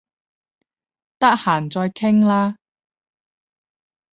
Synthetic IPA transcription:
t̪ɐ˥k̚haː˨˩nt͡sɔː˧jkʰɪ˥ŋlaː˥

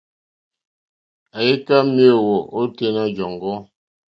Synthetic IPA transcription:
a˨je˦ka˦mjo˦˨wɔ˨ʔo˦te˦na˦d͡ʒɔ˨ŋɡɔ˦

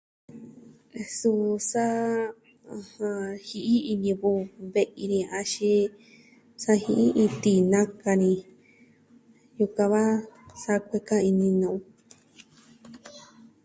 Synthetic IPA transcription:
e˧su˧sa˦˧ | hã˧hi˧ʔi˦i˧ɲĩ˧βu˧βe˧ʔi˧nĩ˧a˧ʃi˧ | sa˧hĩ˧ʔi˦ʔĩ˧t̪i˧˨nã˦ka˧nĩ˧ | ju˧kã˧βa˦sa˧kʷe˧kã˦i˧nĩ˧nũ˧˨ũ˧

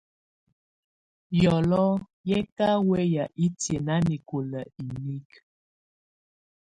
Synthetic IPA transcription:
jɔ˨lɔ˦ | jɛ˦ka˦wɛ˦ja˨ʔi˦tje˨na˦ni˨ko˨lə˨i˨ni˦k

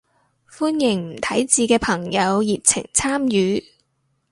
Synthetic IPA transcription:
fuː˥njɪ˨˩ŋm̩˨˩t̪ʰɐ˨˥jt͡siː˧kɛː˧pʰɐ˨˩ŋjɐ˨˧wji˨p̚t͡sʰɪ̰˨˩ŋt͡sʰaː˥mjyː˨˥

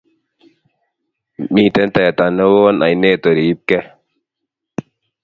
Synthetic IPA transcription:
miː˦˨t̪ɛ˦nt̪a˨ja˨t̪a˨nə˦wo˦nʔa̰˨jne˦t̪o˨ɾiː˨˦p̚kɛ˦

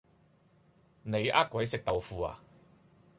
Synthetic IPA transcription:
ne˨˧jʔa̰ː˥t̚kʷɐ˨˥jsɪ˨k̚t̪ɐ˨wfuː˨˧a̰ː˨

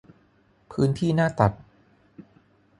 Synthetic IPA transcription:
pʰɯː˦˥nt̪ʰiː˥˩naː˥˩t̪a˨˩p̚

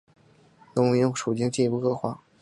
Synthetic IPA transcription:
nʊ˥ŋ˧jŋʂu˨˩t͡ɕi˥ŋt͡ɕi˥˩˧pu˥˩kʰɤ˥˩xwa̰˥˩˦

